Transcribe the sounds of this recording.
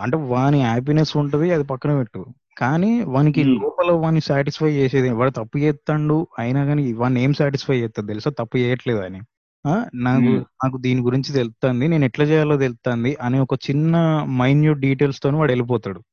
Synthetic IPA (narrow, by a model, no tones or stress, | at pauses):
ɐɳʈe̞ːʋaːniɦaːp̬inesuɳʈund̪iɐd̪ipɐkːɐnɐʋeʈːu | kaːniːʋaːnik̬ilɔːpɐloːʋaːnisjaːʈispʰɐjt͡ʃɛːseːd̪ɐniʋaːɭut̪ɐpːut͡ʃɛːt̪ːɐɳɖuɐjnaːɡaːniʋaːne̞ːmsjaːʈ̬ispʰɐjɛːt̪ːaːt̪elisat̪ɐpːut͡ʃɛːjɐʈleːd̪aːni | aːnaːkunaːk̬ud̪iːniɡuɾiɲt͡ʃit̪elt̪aːnd̪ineːnuɛʈlɐt͡ʃɛːjaːlːoːt̪̬elut̪aːnd̪iʔɐneɔkɐt͡ʃinːɐmɐjnjuːɖɖiːʈ̬e̞ːlst̪oneʋaːɽelip̬ɔːt̪aːɽu